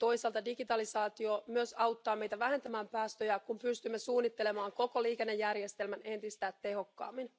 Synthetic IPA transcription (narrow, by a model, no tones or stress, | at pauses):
t̪o̞isɑlt̪ɑdiɡit̪ɑlisɑːt̪iomyøsɑuwt̪ːɑːmejt̪æʋæhe̞nt̪æmæːmpæːst̪øjækumpyst̪ymːesuːnːit̪ːe̞le̞mɑːŋkokoliːkenːejːærjest̪elmæne̞nt̪ist̪æːt̪ːe̞ho̞kːɑ̰ːmːin